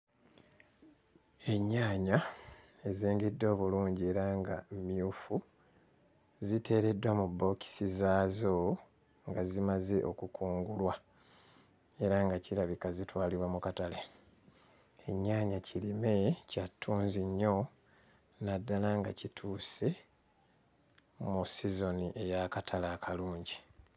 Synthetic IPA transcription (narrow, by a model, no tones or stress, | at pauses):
e̞ɲːaːɲae̞ziːŋɡedːo̞ːβuluːɲɟie̞ɾaŋɡamiufu | zitʰe̞ːɾe̞dːwamubːo̞ki̥sizaːzo̞ | ŋɡazimaze̞ʔo̞kukʰuːŋɡulwa | e̞ɾaŋɡacilaβikazitwaːliβwamukatale | eɲːaːɲacʰilime̞catʰːuːnziɲːo̞ | nadːalaŋɡa̰citʰuːse̞ | musizo̞niʔe̞jakatʰalaːkʰaluːɲɟi